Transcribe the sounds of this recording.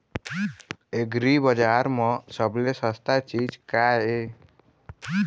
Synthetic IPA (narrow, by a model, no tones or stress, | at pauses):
eɡɾibəd͡ʒaɾmɔ̃səblesəst̪at͡ʃid͡ʒkae